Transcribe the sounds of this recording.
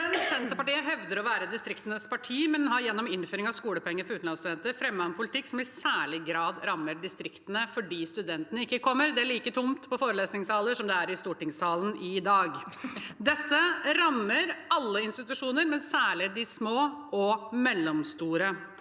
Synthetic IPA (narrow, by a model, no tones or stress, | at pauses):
ɛnsɛnt̪əpɑʈiːəɦɛʋd̪əɾɔʋæːɾəd̪ɪst̪ɾɪkt̪ənəspʰɑʈʰiːmɛnɦɑjɛnːɔmɪnføːɾɪŋɑʋskuːləpʰɔɛŋːəɾfɔɾʉːt̪n̩ɑnst̪ʉd̪ɛnt̪əɾfɾɛmːɑnpʰʊlɪt̪ʰɪkːsɔmɪsæːɭɪɡɾɑːd̪ɾɑmːəɖɪst̪ɾɪkt̪ənəfɔɖiːst̪ʉd̪ɛnt̪ənəɪkːəkʰɔmːəɾd̪ɛæɭiːkət̪ʰʊmt̪pʰɔfoːɾəleːsnɪŋshɑːləʂɔmd̪ɛæɾɪst̪uːʈɪŋsɑːlnɪd̪ɑːɡd̪ɛt̪ːəɾɑmːəɾɑlːəɪnst̪ɪt̪ʉʂuːnəɾmɛnsæːɭɪd̪ɪsmoːʔɔmɛlːɔmst̪uːɾə